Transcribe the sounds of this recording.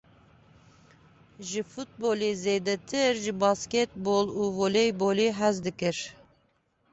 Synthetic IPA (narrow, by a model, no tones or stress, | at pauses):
ʒɨfut̪̚bolizeːd̪ɛt̪ʰɨɾʒɨbɑskʲet̪̚boluːvolejboliːɦɛzd̪ɨkɨɾ